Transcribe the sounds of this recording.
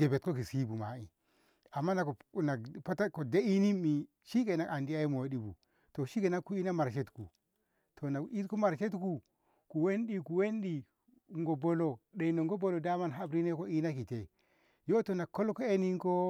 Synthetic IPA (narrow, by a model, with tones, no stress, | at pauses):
ɡe˨be˨t̚ko˦ki˨si˦bu˨ma̰˨˦i˨ | a˨mːa˦na˨kna˨pa˦ta˦ko˨de˦i˦ni˦mːi˨ | ʃi˦ke˨na˦ka˨ndi˦a˦i˦mo˨˦ɗi˦bṵ˨ | to˨ʃi˦ke˨na˦kːu˦i˦na˦ma˨ɾʃ̬e˦tku˨ | tʰo˨na˨i˦ku˦ma˨ɾʃe˦t̬ku˨ | ku˨we˦nɗi˨ku˨we˦nɗi˨ | ŋɡo˨bo˦lo˨ɗe˨no˨ŋɡo˦bo˨lo˨da˦ma˦nɦa˦bɾi˦ne˦ko˦i˦na˦ki˨te˨ | jo˦to˨na˨kːo˦lko˦e˦ni˦ŋko˦